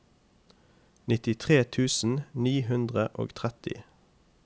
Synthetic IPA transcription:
nɪt̪ɪt̪ʰʁeːt̪ʰʉːsn̩niːɦʉnd̪ʁəʔo̰ːɡt̪ʰʁɛt̪ɪ̰

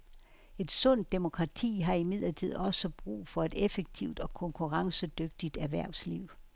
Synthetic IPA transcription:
e̝d̥sɔ̽n̰d̥ːemo̝kʰʁɑ̈t͡sʰḭːɦɑ̈imið̞̰ˠlɐt͡sʰið̰ˠɒ̽səb̥ʁṵːfɒ̽e̝d̥efeɡ̥̚t͡sʰiʊd̥ɒ̽kʰɔ̽ŋkʰuʁɑ̈ŋsəd̥øɡ̥̚d̥id̥æʋæɐ̰sliʊ̰

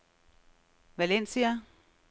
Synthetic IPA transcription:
ʋælensiæ

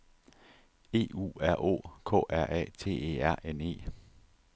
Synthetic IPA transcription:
e̝̰ːṵːæɐ̰ʔo̝̰̽ːkʰɔ̰ːʔæɐ̰ʔɛ̰ːt͡sʰe̝̰ːe̝̰ːæɐ̰ʔene̝̰ː

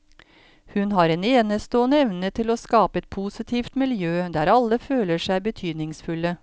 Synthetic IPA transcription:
hʉnɦɑːɾeneːnəst̪oːnəɛʋnət̪ʰɪlɔskɑːpəɛt̪̚pʰusɪt̪ʰiːft̪mɪljøːd̪æːɾɑlːəføːləʂæɪbət̪ʰyːd̪nɪŋsfʉlə

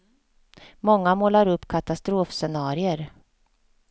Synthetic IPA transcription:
mɔŋːamoːlaɾɵpːkʰat̪ast̪ɾoːfsɛnɑːɾɪəɾ

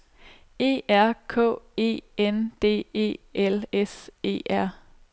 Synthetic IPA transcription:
e̝̰ːæɐ̰kʰɔ̰̽ːe̝̰ːend̥e̝̰ːe̝̰ːʔelese̝̰ːʔæɐ̰

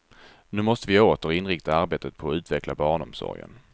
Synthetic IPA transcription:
nʉ̟ːmɔst̪əvɪoːt̪əɾɪnɾɪkt̪aaɾbeːt̪ʰət̪̚pʰɔːʉ̟ːt̪vɛklabɑːɳɔ̰msɔ̰ɾjə̰n

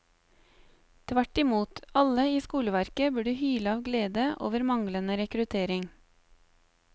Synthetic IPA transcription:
t̪ʰʋæʈɪmuːt̪ɑləiːskuːləʋæɾkəbʉːɖʉːhyːləɑːʋɡleːd̪əʔo̰ːʋəɾmɑŋlənəɾɛkɾʉt̪ʰeːɾɪŋ

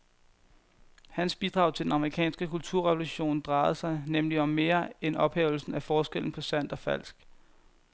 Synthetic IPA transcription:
hænsb̥id̥ʁɑ̈ʊt͡sʰe̝d̥enɑ̈məʁikʰɛ̰ːnsɡ̥əkʰult͡sʰuɐ̰ʁɛʋoluɕo̝̰ːnd̥ʁɑ̈ɪð̩ˠsɑ̈ɪnemliɒ̽mːe̝ːɐenɒ̽b̥hɛ̰ːʊl̩sn̩æfɒːsɡ̥el̰n̩pʰɒ̽sæn̰d̥ɒ̽fæl̰sɡ̥

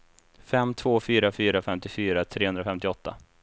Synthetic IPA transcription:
fɛmːt̪ʰvoːfyːɾafyːɾafɛmt̪ɪfyːɾat̪ʰɾeːɵnd̪ɾafɛmt̪ɪɔt̪ʰːa̰

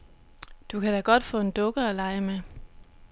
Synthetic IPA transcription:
d̥ukʰæd̥æɡ̥ɒ̽d̥fɔ̰̽ːe̝nd̥ɔ̽ɡ̥ɐɒlɑ̈ɪəme

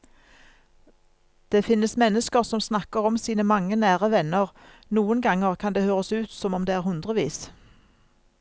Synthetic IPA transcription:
d̪̥eːfɪnːəsmɛnːəskəʁsɔmsnɑkəʁɔmsiːnəmɑŋːənæːʁəʋɛnəʁ | nuːənɡɑŋəʁkʰɑnd̪eːhøːʁəsʉːt̪sɔmɔmd̪eːæːʁhʉnd̪ʁəʋḭːs

